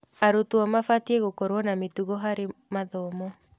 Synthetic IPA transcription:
aɾotwɔmafatieɣokoɾwɔnametuɣɔɦaɾemaðɔmɔ

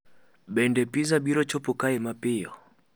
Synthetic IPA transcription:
bɛndɛpizabiɾɔt͡ʃɔpukaɛmapɪjɔ

